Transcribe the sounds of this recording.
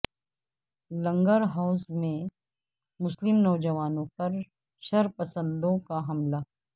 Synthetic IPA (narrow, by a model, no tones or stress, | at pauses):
lɐ̃ŋɡəɾɦaʊsmẽ | mʊslɪmnɔːd͡ʒɐʋaːnõpɐɾ | ʃɐɾpɐsə̃nd̪õkaɦɐmlaː